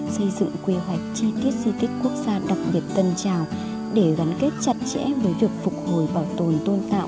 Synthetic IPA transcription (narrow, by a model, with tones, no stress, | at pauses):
sə˧jzɨ̰˧˨ŋkwi˧ɦwa˨˩jk̟̚t͡ɕi˧t̪i˦˥ət̚zi˧t̪ï˦˥k̟̚ku˦˥ək̚zaː˧ɗa˨˩k̚ɓi˨˩ət̚t̪ə˧nt͡ɕaː˨˩w | ɗe˧˩ɣa˨˦nke˦˥t̚t͡ɕa˨˩t̚t͡ɕɛ̰˧˥vəː˨˦jvi˨˩ək̚fʊ˨˩k͡p̚ho˨˧˩jɓaː˧˩wt̪o˨˩nt̪o˧nt̪a̰ː˧˨